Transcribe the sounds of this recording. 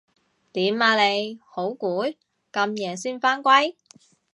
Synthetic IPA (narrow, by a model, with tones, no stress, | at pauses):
t̪iː˨˥maː˧le˨˧jho˨˥wkuː˨˥ | kɐ˧mjɛː˨˩siː˥nfaː˥nkʷɐ˥j